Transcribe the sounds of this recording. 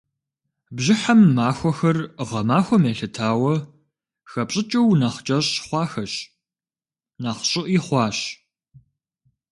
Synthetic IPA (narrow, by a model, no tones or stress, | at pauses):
bʑɪħamːaːxʷɔxɐrʁɐmaːxʷɔmeːɬɨtʰaːwɐ | xɐpɕʼɪt͡ʃʼɐwnaχt͡ʃʼɐɕχʷɑːxɐɕ | naːχɕʼɪʔiːχʷɑːɕ